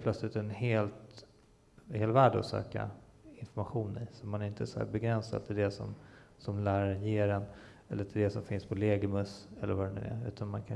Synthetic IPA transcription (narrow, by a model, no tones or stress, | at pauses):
pʰlœt̪slɪt̪ɛnɦeːlt̪ | heːlvæːɖɔ̰sø̰ːka̰ | ɪnfɔɾmaɧuːnɪsɔt̪manæɾɪnt̪əsɔhæ̰ːɾbɛɡɾɛnsa̰d̪̚t̪ʰɪlɖ̪ɛsɔ̰m | sɔmlæːɾaɾənjeːɾɛn | ɛlːəɾt̪ʰɪɖɛsɔmfɪnspʰɔleːɡəmɵsɛlːəɾvaɖɛnɵ̟ːæ̰ʉ̟ːt̪ʰanmankʰa